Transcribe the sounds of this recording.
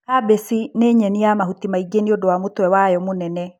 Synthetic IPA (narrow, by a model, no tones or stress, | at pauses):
habesineɲɛniamahutimaiɡeniodowamotwɛwajɔmonɛnɛ